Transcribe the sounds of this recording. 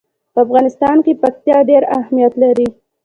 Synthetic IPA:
pəafɣɑnɪst̪ɑnkepak̚t̪jɑɖeɾahmijat̪laɾi

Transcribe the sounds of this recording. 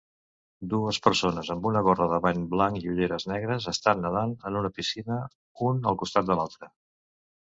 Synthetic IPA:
d̪uəspəɾsonəzəmbunəɣorəðəβaɲblaŋkiuʎeɾəznɛɣɾəzəst̪anːəðanənunəpisinə | unəlˠkust̪at̪̚d̪əlalˠt̪ɾə

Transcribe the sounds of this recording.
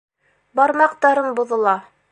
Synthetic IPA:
bɑɾmɑqt̪ɑɾɤɴbŭðɤ̆lˠɑ

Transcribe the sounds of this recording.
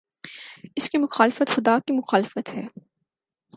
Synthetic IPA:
ɪskimʊxaːlɪfət̪xʊd̪aːkimʊxaːlɪfət̪ɦɛː

